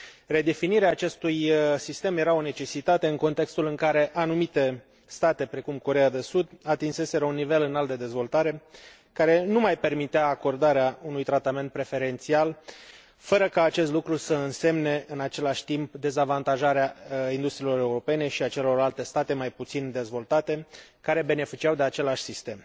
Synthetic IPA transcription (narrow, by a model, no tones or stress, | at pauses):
re̞d̪e̞finiɾeaːt͡ʃe̞st̪ujsist̪e̞mje̞ɾao̞ne̞t͡ʃe̞sit̪at̪e̞ɨŋko̞nt̪e̞kst̪ulɨŋkaɾe̞ʔanumit̪e̞ | st̪at̪e̞pɾe̞kumko̞ɾe̞jad̪e̞sud̪at̪inse̞se̞ɾəunːive̞lɨnalt̪d̪e̞d̪e̞zvo̞lt̪aɾe̞ | kaɾe̞numajpe̞rmit̪eaːko̞rd̪aɾeaunujt̪ɾat̪ame̞nt̪̚pɾe̞fe̞ɾe̞nt̪sial | fəɾəkaːt͡ʃe̞st̪lukɾusəɨnse̞mne̞ɨnat͡ʃe̞laʃʲt̪impd̪e̞zavant̪aʒaɾeaind̪ust̪ɾilo̞ɾe̞uɾo̞pe̞ne̞ʃiat͡ʃe̞lo̞rlalt̪e̞st̪at̪e̞majput̪sind̪e̞zvo̞lt̪at̪e̞kaɾe̞be̞ne̞fit͡ʃiawd̪e̞at͡ʃe̞laʃʲsist̪e̞m